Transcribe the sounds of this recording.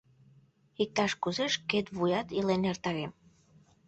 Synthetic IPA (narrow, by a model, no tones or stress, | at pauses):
ik̚t̪ɑʃkuzeʃket̪βujɑt̪ilenert̪ɑɣem